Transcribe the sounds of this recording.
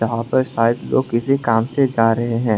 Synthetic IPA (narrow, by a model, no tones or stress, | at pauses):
ɐɦãpɐɾʃaːɪd̪lo̰ːɡkɪsekaːmsed͡ʒaːɾɐɦeɦɛ̃ː